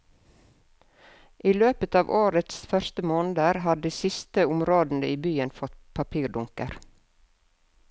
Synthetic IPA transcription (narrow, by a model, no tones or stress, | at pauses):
ʔiːløːpət̪ɑːʋʔoːɾət̪sfœɾst̪əmoːnd̪əɾɦɑd̪iːsɪst̪əʊmɾoːd̪n̩d̪ə̰iːbyːənfɔt̪pʰɑpʰiːɖʊŋkəɾ